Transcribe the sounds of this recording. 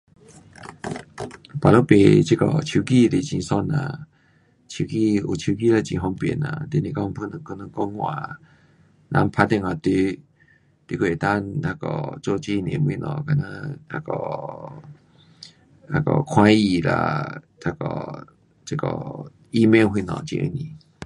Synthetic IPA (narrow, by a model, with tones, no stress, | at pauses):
pa˨lo˦˨pe˧t͡ɕi˦kɔ˨t͡ɕʰi˧ki˦˧˨le˨t͡ɕĩ˧˨sɔ˧˨nã̰˨ | t͡ɕʰi˧ki˦˧˨u˨t͡ɕʰi˧k̬i˦˧˨la˧˨t͡ɕĩ˨ɦɔ˧ŋpɛ̰˨na̰˨t̪e˧˦˨nĩ˨kɔ˦˧˨ŋpʰu˦˨nɨ˨ŋko˦˨nə̃˨ŋkɔ˦ŋŋwã̰˨ | nʔã̰˧˦mpʰa˧t̪ɛ˧˨ŋa˧˨t̪i˧˦ | t̪i˧˦kʰʷe˧˨t̪ã˦da˧kɔ̰˨t͡so˦˧˨t͡ɕi˧nḛ̃˨m˧i˧˨nɔ̰̃˨ka˧˨nã˦ta˧kɔ˧˨ | a˧kɔ̰˨kʰwã˧˦i˧˨la̰˧t̪ʰa˧kɔ̰˨ | t͡ɕe˧˦kɔ˨ | i˦me˧˦˨wɦi˧nɔ̰̃˨t͡ɕḭ̃˧˨ə̰˧nĩ˨